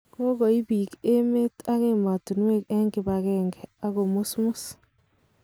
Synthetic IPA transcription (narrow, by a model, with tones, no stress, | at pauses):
ko˦ɣɔ˨i˦biː˨ke˦me˦ta˦ɣe˦ma˨tu˨nwe˦kɛ˦ŋɡɪ˨ba˨ɣɛːŋɡɛ˨a˦ɣo˨mu˦smu˦s